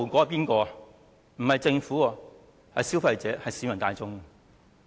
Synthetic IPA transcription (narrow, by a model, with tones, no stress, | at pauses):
wkʷɔː˨˧˥piː˥nkɔː˧ɐ˨ | m̩˨˩hɐ˨jt͡sɪ˧ŋfuː˨˥ɐ˨˧ | hɐ˨jsi˥wfɐ˧jt͡sɛː˨˥hɐ˨jsi˨˧mɐ˨˩ŋt̪aː˧jt͡sʊ˥ŋ˨